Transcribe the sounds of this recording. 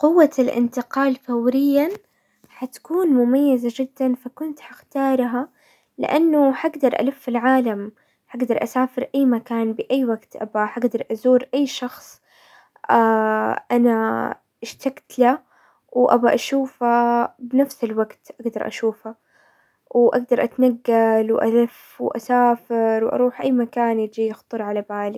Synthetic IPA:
qʊwːalʔɪ̰nt̪ɪqɑːlfawɾɪjːa | ħat̪ḁkuːnmʊmajːazad͡ʒɪd̪ːanfakʊnt̪ħaxt̪ɑːɾˤɦa | lɪ̰ʔanːʊħaɡd̪ɑɾˤʔa̰lʊfːɪlʕaːlam | ħaɡd̪ɑɾˤʔasaːfɪɾʔajːmakaːnbɪʔajːwaɡt̪ʔa̰baħaɡd̪ɑɾˤʔazuːɾʔajːʃɑxsˤ | ʔaʔana | ʔɪʃt̪aɡt̪la | wʔa̰baʔaʃuːfabnafsɪlwaɡt̪ʔaɡd̪ɑɾˤʔa̰ʃuːfa | wʔa̰ɡd̪ɑɾˤʔat̪naɡːalwʔa̰lɪf | wʔa̰saːfɪɾwʔɑ̰ɾˤuːħʔajːmakaːnɪd͡ʒijɪxt̪ˤɨɾˤʕalabaːlɪɡ

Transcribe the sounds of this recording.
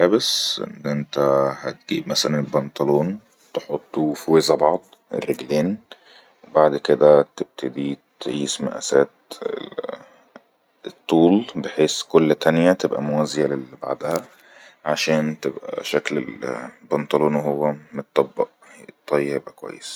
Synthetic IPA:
ħæbesʔḛnːʔent̪æhæt̪̚ɡ̥iːbmæsælænelbɑnt̪ˤɑloːn | t̪eħot̪ˤːufwezæbɑʕd̪ˤ | ḛrːeɡleːn | wbaʕd̪ked̪æt̪eb̚t̪ʰed̪it̪ʕiːsmæ̰ʔæ̰sæːt̪ | et̪ˤːuːlbeħeːskolːt̪ʰænjæt̪ebʔæ̰mowæzejælelba̰ʕd̪æhæ | ʕaʃæːnt̪ebʔæ̰ʃæklḛlbɑnt̪ˤɑloːnwɦowːæmot̪ˤːɑbːɑʔ | t̪ˤːɑjːjebækowæ̰jːes

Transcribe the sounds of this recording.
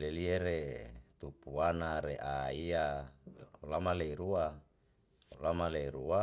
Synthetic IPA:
lelieɾet̪upuanaɾeʔaia | olamaleiɾua | olamaleiɾua

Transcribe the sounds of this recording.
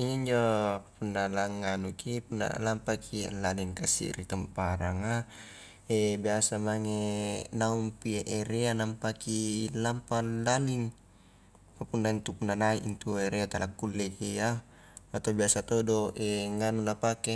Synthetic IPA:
iɲɲd͡ʒopunːalaŋːanukipunːa̰lampakʰḭlːaliŋkasḭɾit̪əmpaɾaŋa | ebiasamaŋenaumpieʔeɾeanampakilampalaliŋ | papunːaint̪upunːanaiʔint̪ueɾeat̪alakːulːɛkija | at̪obiasat̪odoʔeŋanunapake

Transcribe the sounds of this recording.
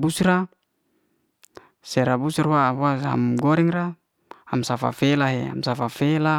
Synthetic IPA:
busɾa | sɛɾabusrwaɦuaɦa̰mɡɔɾɛŋra | amsafa̰felaɦḛa̰msafafela

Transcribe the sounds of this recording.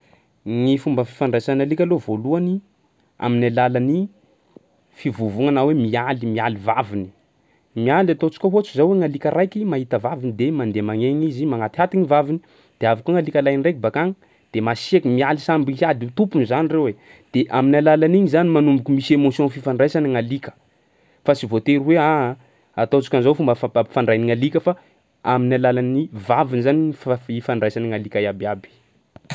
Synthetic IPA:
ŋifumbəfi̥faɳɖ͡ʐajsanalikʲalovoluani | a̰minalalani | fivuvuŋanawemialimialivavini̥ | mialat̪ot͡ʃi̥kʲoɦot͡ʃizaweŋalikʲaɾʔajkʲimaɦit̪əvavinid̪emand̪emaŋeŋizimaŋat̪ihat̪iŋivavini̥ | d̪̥eavakoŋalikʲalajnirekibakaŋə | d̪̥emasiekimialisambiad̪iut̪upunzanirewe | d̪̥eʔaminalalaniɲizanimanumbukumisemosiõnfifaɳɖ͡ʐajsaniŋalikə̥ | fasivot̪eɾuwea | at̪ot͡sḁkʲanzowfumbafababfaɳɖ͡ʐajniŋalikəfa | aminalalanivavinizaniifaɳɖ͡ʐajsanəŋalikajabiabi̥

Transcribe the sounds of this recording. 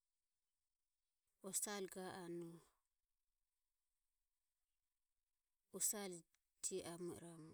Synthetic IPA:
ɔsalɡaanu | ɔsal | tʰiʔamṵɾamu

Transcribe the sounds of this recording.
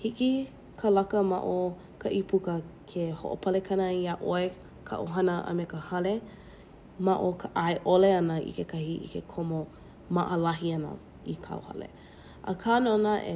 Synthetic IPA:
hiki | kʰəlɐkəma̰ʔo | kʰɐʔipukəkʰeho̰ʔopʰɐlekʰɐnəiaʔoe | kʰa̰ʔoɦɐnəʔə̰mekəhɐle | maʔokʰəʔaeʔoleɐnəḭkekɐhiʔḭkekʰomo | mɐʔəlɐɦiɐnə̰ | ikʰa̰ohɐ̰lḛ | ʔə̰kʰaːnonəʔḛ

